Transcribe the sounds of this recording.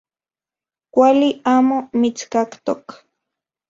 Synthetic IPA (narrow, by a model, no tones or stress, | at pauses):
kʷaliaːmomit͡skakt̪ok